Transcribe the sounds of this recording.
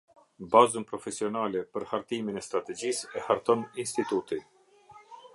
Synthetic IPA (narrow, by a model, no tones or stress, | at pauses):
bazunpɾɔfɛsiɔnalɛpəɾhaɾt̪iminɛst̪ɾat̪ɛd͡ʑisɛhaɾt̪ɔninst̪it̪ut̪i